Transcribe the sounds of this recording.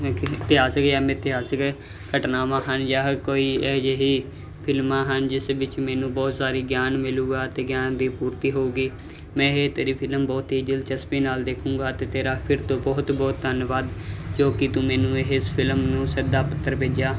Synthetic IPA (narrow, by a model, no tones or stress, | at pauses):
t̪ɪɦaːsəkjaːmɛ̃ːt̪ɪɦaːsəkɛː | kəʈnaːmãːɦənjaːkoːiːɛːd͡ʒeːɦiː | pʰɪlmãːɦənd͡ʒɪsʋɪt͡ʃmɛ̃ːnũːbɔːt̪saːɾiːɡjaːnmɪlũːɡaːt̪eːɡjaːnd̪iːpuːɾt̪iːɦoːuːɡiː | mɛ̃ːet̪eːɾiːpʰɪlmbɔːt̪ɦiːd͡ʒəlt͡ʃəspiːnaːld̪eːkʰũːɡaːt̪eːt̪eːɾaːpʰɪɾt̪õːbɔːt̪bɔːt̪̚d̪ənʋaːd̪d͡ʒoːkɪt̪ʊ̃mɛ̃ːnũːeɦɪspʰɪlmnũːsəd̪aːpət̪ːəɾpeːd͡ʒaː